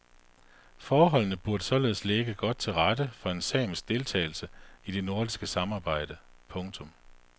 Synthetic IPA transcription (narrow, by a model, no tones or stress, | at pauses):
fɒːɦɒ̽l̰nəb̥uɐɾ̥əsɒ̽le̝ːð̞ˠsleɡ̥əɡ̥ɒ̽d̥̚t͡sʰe̝lʁɑd̥əfɒ̽e̝nsɛ̰ːm̩sd̥e̝lt͡sʰɛ̰ːɪl̩səid̥e̝no̝ɐd̥isɡ̥əsɑ̈mɑ̈ːb̥ɑ̈ɪ̰d̥ə | pʰɔ̽ŋt͡sʰɔ̽m